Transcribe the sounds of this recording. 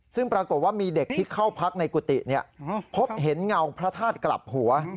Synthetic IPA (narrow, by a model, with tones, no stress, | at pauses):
sɯ˥˩ŋpɾaː˧ko˨˩t̪̚waː˥˩miː˧de˨˩k̚t̪ʰiː˥˩kʰa˥˩wpʰa˦˥k̚na˧jku˨˩t̪ḭ˨˩ni˦˥˩ɐpʰo˦˥p̚ɦe˩˦nŋa˧wpʰɾa˦˥t̪ʰaː˥˩t̪̚kla̰˨˩p̚hu˩˦ɐ